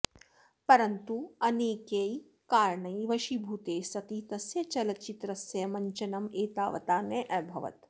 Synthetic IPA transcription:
pɐɾɐnt̪uɐneːkej | kaːɾɳɐjʋɐʃibʱut̪eːsɐt̪iːt̪ɐsjɐt͡ʃɐlɐt͡ʃit̪ɾɐsjɐjɐmɐɲt͡ʃɐnɐmeːt̪aːʋɐ̰t̪aːnɐʔɐbʱɐʋɐ̰t̪

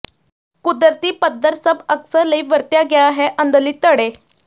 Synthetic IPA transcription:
kud̪əɾt̪iːpəd̪əɾsəbəksəɾləiʋəɾt̪jaɡjaaɦeʔənd̪əliːt̪əɽe

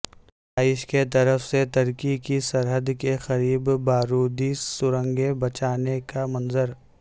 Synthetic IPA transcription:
aːɪʃket̪̬ɐɾəfset̪ɐɾkikisɐɾɦəd̪kexɐɾiːbbaːɾuːd̪isʊɾə̃ŋɡebɐt͡ʃaːnekamɐ̃nzəɾ

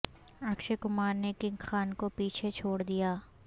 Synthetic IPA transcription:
ɐkʃekʊmaːɾnekɪ̃ŋɡxaːnkopiːt͡ʃʰet͡ʃʰoːɽd̪ijaː

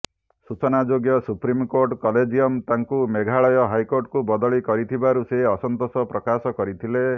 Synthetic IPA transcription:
sut͡ʃɔnad͡ʒoɡjɔsupɾimkoɾʈkɔled͡ʒiɔmt̪aŋkumeɡʱaɭɔjɔɦajkoɾʈkubɔd̪ɔɭikɔɾit̪ʰibaɾuseɦɔsɔnt̪osɔpɾɔkasɔkɔɾit̪ʰile

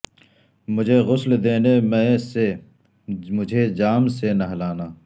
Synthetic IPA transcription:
mʊd͡ʒʱeɣʊsld̪eːnemɛ̃se | mʊd͡ʒʱed͡ʒaːmsenɐɦlaːnaː

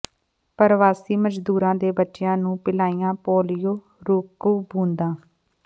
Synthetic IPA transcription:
pəɾʋaːsiːməd͡ʒd̪uːɾãːd̪eːbətːʃɪjãːnũːpɪlaːijãːpoːlɪjoː | ɾuːkuːbũːnd̪ãː

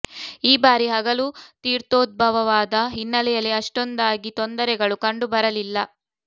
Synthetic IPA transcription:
iːbaːɾiɦɐɡɐluːt̪iːɾt̪oːd̪̚bʱɐʋɐʋaːd̪ɐɦinːɐlɛjɐlːiɐʂʈond̪aːɡit̪ond̪ɐɾɛɡɐɭukɐɳɖubɐɾɐlilːɐ

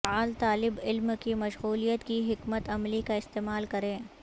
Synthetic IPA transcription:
aːlt̪aːlɪbɪlmkimɐʃɣuːlijət̪kiɦɪkmət̪ɐmlikaɪst̪eːmaːlkɐɾẽː

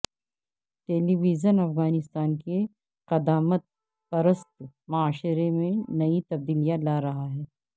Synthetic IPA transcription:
ʈeːliʋiːd͡ʒənɐfɣaːnɪst̪aːnke | qɐd̪aːmət̪̚ | pɐɾəst̪mɐaːʃɪɾemẽnɐit̪ɐb̚d̪iːlijalaːɾɐɦaɦɛː

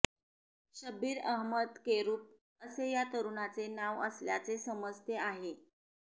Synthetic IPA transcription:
ɕəbiːɾəɦməd̪keɾuːp̚ | əsejat̪əɾuɳat͡senaʋə̰sljat͡sesəməst̪eaɦe

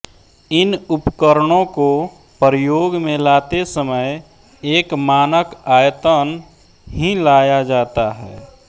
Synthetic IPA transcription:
ɪnʊpkəɾəɽ̃õko | pəɾəjoːɡmẽlaːt̪esəməj | eːkmaːnəkaːjət̪ən | ɦĩlaːjad͡ʒaːt̪aɦɛ̰ː

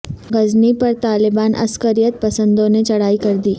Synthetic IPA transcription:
ɡɐznipɐɾt̪aːlɪbaːnʔɐ̰skəɾijət̪̚pɐsə̃nd̪õnet͡ʃɐɽ̤aːikɐɾd̪iː

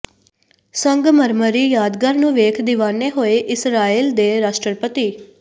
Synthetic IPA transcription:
səŋɡməɾməɾiːjaːd̪ɡəɾnũːʋeːkʰd̪ɪʋaːneːɦoːeːʔɪsɾaːiːld̪eːɾaːʃʈəpət̪iː

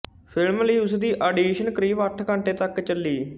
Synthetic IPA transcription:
pʰɪlmləiːʊsd̪iːʔaːɖiːʃənkɾiːʋəʈʰkə̃ɳʈeːt̪əkt͡ʃəlːiː

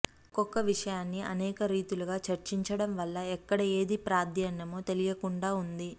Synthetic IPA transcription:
kɔkːɐʋiʂɐjaːnːiʔɐ̰nɛːkɐɾiːt̪uluɡaːt͡ʃɐɾt͡ʃiɲt͡ʃɐɽɐmʋɐlːɐɛkːɐɽɐe̞ːd̪ipɾaːd̪jɐnːɐmoːt̪elijɐkuɳɖaːund̪i

